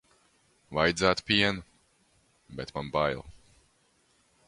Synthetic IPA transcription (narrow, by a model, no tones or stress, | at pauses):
vajd̪zaːt̪pʲiɛnu | bɛt̪manbajlˠ